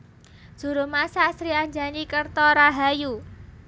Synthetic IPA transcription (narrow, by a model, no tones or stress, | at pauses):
ʒ̥ṳɾumasasɾiaɲd͡ʒanikərt̪ɔɾaɦaju